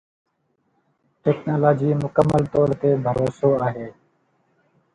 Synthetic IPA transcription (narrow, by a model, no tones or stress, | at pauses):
ʈeːknaːloːd͡ʒiːmʊkəmːəlt̪oːɾt̪eːbʱəɾoːsoːaːɦeː